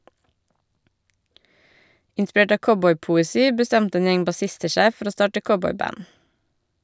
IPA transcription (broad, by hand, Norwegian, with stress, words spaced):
ʔɪnˈspɹeːʈ ˈɑː ˈkɔbɔʏpʊɛˌsiː bəˈstɛntə ˈeːn ˈjɛŋ bɑˈsɪstə ˈʃæɪ ˈfɔɾ ˈoː ˈstɑːʈə ˈkɔbɔʏˌbæn